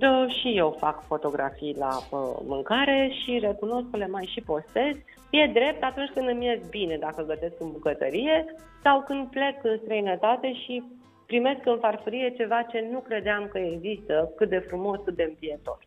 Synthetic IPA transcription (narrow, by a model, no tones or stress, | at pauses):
d̪əʃije̞wfakfo̞t̪o̞ɡɾa̰fijla̰ə̰mɨŋkaɾe̞ʃiɾe̞kuno̞skle̞majʃipo̞st̪e̞z | je̞d̪ɾe̞p̚t̪at̪unt͡ʃʲkɨnd̪ɨmje̞zbine̞d̪akəɡəse̞skɨnbukət̪ə̰ɾije̞ | sawkɨnd̪̚ple̞kɨnst̪ɾəjnət̪at̪e̞ʃi | pɾime̞skɨnfarfuɾije̞t͡ʃe̞vat͡ʃe̞nukɾe̞d̪eamkəeɡzist̪əkɨt̪̚d̪e̞fɾumo̞skɨt̪d̪e̞ɨmpie̞t̪o̞̰r